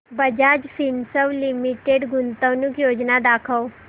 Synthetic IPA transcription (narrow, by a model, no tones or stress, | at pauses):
bəd͡ʑad͡ʑfʰinsəʋlimiʈeɖɡunt̪əʋnukjoːd͡ʑnad̪akʰəw